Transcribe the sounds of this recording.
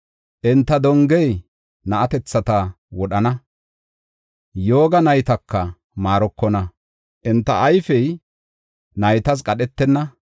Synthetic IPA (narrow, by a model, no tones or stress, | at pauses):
ʔɪnt̪ːɐd̪ɔŋɡɛj | nɐʔɐt̪ɛt͡sːɐt̪ɐ | wɔɗɐnɐ | jo̞ːɡɐnɐjt̪ɐkːɐ | maːɾɔkːɔnɐ | ʔɪnt̪ːɐʔːjfɛj | nɐjt̪ɐs̬kʼɐɗɛt̪ːɛnːɐ